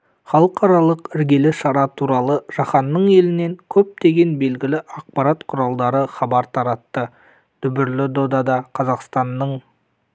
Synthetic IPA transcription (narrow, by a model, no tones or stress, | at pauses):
χɑlˠəqʰɑɾɑlˠəqɪɾɡʲe̞lɪʃɑɾɑt̪ʰuɾɑlˠəʒ̥ɑχɑnːəɴe̞lɪne̞ŋkʲʰɵp̚t̪e̞ɡʲe̞nbe̞lɡʲɪlɪʔɑq̚pɑɾat̪qʰʊɾɑlˠd̪ɑɾəχɑbɑɾt̪ʰɑɾɑt̪ːə | d̪̥ʏbɪɾlɪd̪o̞d̪ɑd̪ɑqʰɑzɑqst̪ɑnːəɴ